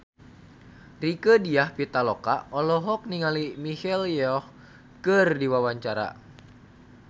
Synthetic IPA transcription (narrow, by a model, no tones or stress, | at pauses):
rikədiahpit̪alɔkaɔlɔɦɔk̚niŋalimihɛljɔh | kɨrdiwawaɲt͡ʃaɾa̰